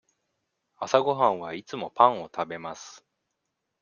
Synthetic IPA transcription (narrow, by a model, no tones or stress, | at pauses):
asaɡo̞ɦãɰ̃β̞ait͡sɨmo̞pãɰ̃o̞t̪abe̞masɨ̥